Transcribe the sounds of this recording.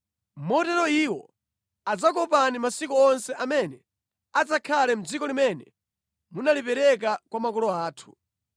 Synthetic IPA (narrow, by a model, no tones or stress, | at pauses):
mɔtɛɾɔiwɔ | ad͡zakɔpanimasikɔɔnsɛʔamɛnɛ | ad͡zakʰalɛm̩d͡zikɔlimɛnɛ | munalipɛɾɛk̬akwamakɔlɔaːtʰu̥